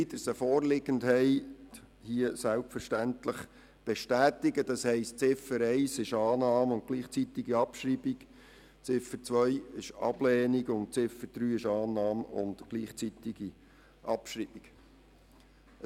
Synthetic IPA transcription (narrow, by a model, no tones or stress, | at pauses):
idəsəfɔːɾlɪɡəndhɛɪ | hiəsælpfəɾʃtænt̪ləχ | b̥eʃtæːt̪ɪɡəd̪ɑshɛɪstt͡sɪfəɾɛɪsɪʃɑːnɑːmʊnt̚ɡ̥liːχt͡sit̪ɪɡiɑpʃɾibik | t͡sɪfət͡sʋœjɪʃɑ̰blɛːniɡʊnt̚t͡sɪfəɾd̥̪ɾyːɪʃɑːnːɑːmʊ̰nd̥ɡ̥liːχt͡sit̪iɡ̥i | ʔɑpʃɾiːb̥iɡ̥